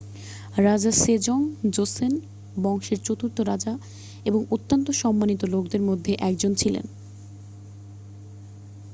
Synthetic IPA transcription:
ɾad͡ʑaʃed͡ʑɔŋd͡ʑosen | bɔŋʃeɾt͡ɕot̪uɾt̪oɾad͡ʑa | eboŋot̪ːant̪oʃɔmːanit̪olokd̪eɾmod̪ʱːeʔɛkd͡ʑont͡ɕʰilḛn

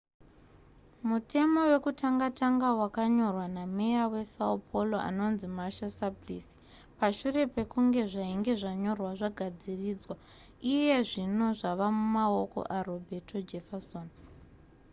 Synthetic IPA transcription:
mutʰe̞mo̞we̞kutaŋɡataŋɡawakaɲo̞rwanamejawe̞saupʰoloʔa̰no̞nzimaʃasabliːsi̥ | paʃure̞pe̞kuŋɡe̞ʐaiŋɡe̞ʐaɲo̞rwaʐaɡʱad͡ziriːd͡zwa | ije̞ʐino̞ʐaʋamumao̞ko̞̰ʔaro̞bʱe̞tʰo̞d͡ʒe̞fasoːn

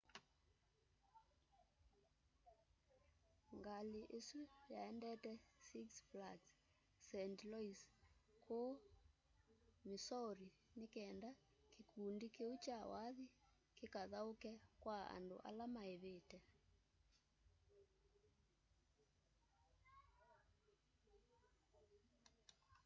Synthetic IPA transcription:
ŋɡaleʔesujaɛndɛtɛsiksflat | sɛntlɔiskʰo | misɔɾi | nekɛnda | kekundikeut͡ʃawaði | kekaðaokɛkwaa̰ndo̰ʔa̰lamaeβetɛ

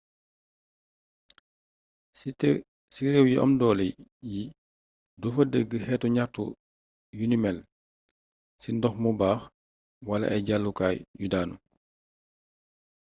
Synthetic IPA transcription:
siɾewjiʔɐ̰mdɔːlɛjji | dufɐdeɡəhɛːtuɲatṵ | junimɛl | sindɔxmubaːx | walɐ̰ʔɛɟalːukaːjjudaːnṵ

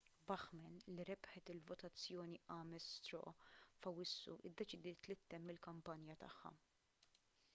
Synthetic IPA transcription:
bɐħmɛnliɾɛbħɛt̪ɪlvɔt̪ɐt͡sːjɔːniʔɐːmɛst̪ɾɔ̰ʔfɐwɪsːṵʔɪd̪ːɛt͡ʃɪd̪ɪːt̪lɪt̪ːɛmːɪlkɐmpɐnjɐt̪ɐ̰ħːɐ̰

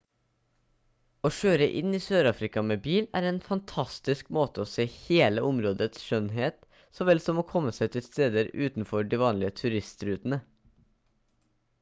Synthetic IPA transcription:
oːʃøːɾəʔɪniːsøːɾɑːfɾɪkɑmeːbiːlæ̰ːɾeːnfɑnt̪ʰɑst̪ɪskmoːt̪əoːseːheːləʔʊmɾoːd̪ət̪sʃœnɦeːt̪ | soːʋɛlsɔmoːkʰɔmːəsæɪt̪ʰɪlst̪eːd̪əɾʉːt̪n̩fɔɖiːʋɑːnlɪət̪ʰʉɾɪst̪ɾʉːt̪ən̩ə

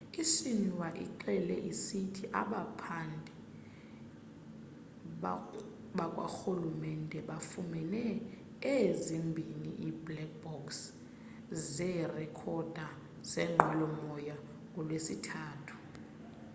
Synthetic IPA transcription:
iʃiniwaʔḭǃɛlɛʔisitʰiʔaɓapʰandʱɛ | ɓakʼwa̰xulumɛndʱɛɓafumɛnɛ | ezimbʱinḭʔiblɛk̚b̥ɔks | zɛrɛkʰɔd̥ʱa | z̥ɛŋ͡ǃʱwɛlɔmɔja | ɔlwesitʰaːtʰu̥

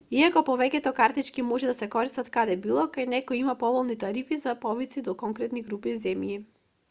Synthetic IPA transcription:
iakɔpɔvɛcʲɛt̪ɔkaɾt̪it͡ʃkimɔʒɛd̪asɛkɔɾist̪at̪kad̪ɛbilˠɔkajnɛkɔjimapɔvɔlˠnit̪aɾifizapɔvit̪sid̪ɔkɔŋkɾɛt̪niɡɾupizɛmji

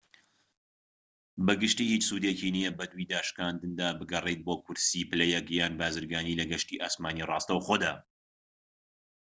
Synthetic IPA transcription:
bɐɡɨʃt̪iːhiːt͡ʃsuːd̪ecinijɛbɐd̪wid̪aːʃkaːnd̪ɨnd̪aːbɨɡɐrˤejt̪̚boːkʊɾsipɨlɛjɛkjaːnbaːzɨɾɡaːniːlɐɡɐʃt̪iːʔaːsmaːnirˤɑːst̪ɐwxoːd̪aː

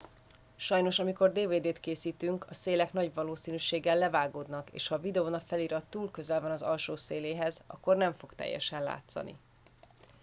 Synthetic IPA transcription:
ʃɒjno̞ʃɒmiko̞rd̪eːveːd̪eːt̪keːsiːt̪yŋkʰɒseːlɛknɒɟʋɒloːsiːnyːʃeːɡɛlːɛvaːɡoːd̪nɒkḛːʃhɒvid̪ɛonɒfɛliɾɒt̪ːuːlkø̞zɛlvɒnɒzɒ̰lʃoːseːleːɦɛzɒ̰kːo̞rnɛɱfo̞kt̪ɛ̰jːɛ̰ʃɛnla̰ːt̪sɒ̰nḭ

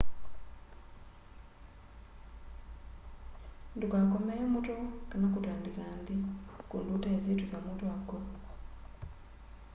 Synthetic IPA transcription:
ndukakomɛjɔmutɔkanakutandikaːndikundutaezituzamutoako

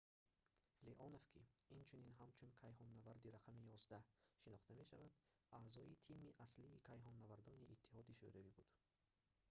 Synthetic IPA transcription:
leʔɔnovkʰiint͡ʃʰuninɦamt͡ʃʰunkʰajɦɔnːavaɾd̪iɾaqʰamijɔzd̪aʃinɔχt̪ʰame̞ʃa̰vad̪ | ʔaːzɔit̪ʰimiʔasliːkʰajɦɔnːavaɾd̪ɔniʔːt̪ʰːi̥hɔd̪iʃṵɾavibud̪̥

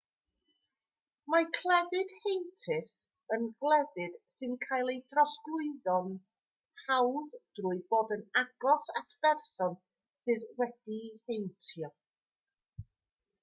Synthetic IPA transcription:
makʰlˠɛðɪd̥hejntʰɪs | ənɡlˠɛðɪd̥sɨnkʰajlˠejdrɔsɡ̥lˠʊɨðɔn | hawðd̥rʊːɨðboːdənaɡɔsatʰb̥ɛrsɔn | sɨðwɛd̥ihejntʰjɔ

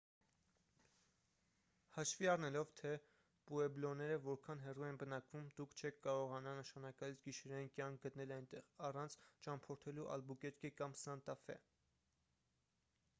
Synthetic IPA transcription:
hɑʃviɑrnɛlɔvt̪ʰɛ | puɛblɔnɛɾəvɔɾkʰɑnɦɛruɛnbənɑkvumd̪ukʰt͡ʃʰɛkʰkɑɾɔʁɑnɑnəʃɑnɑkɑlit͡sʰɡiʃɛɾɑjinkjɑŋkʰɡət̪nɛlɑjnt̪ɛʁɑrɑnt͡sʰt͡ʃɑmpʰɔɾt̪ʰɛluʔɑ̰lbukɛt̪kʰɛkɑmsɑnt̪ɑfɛ̰

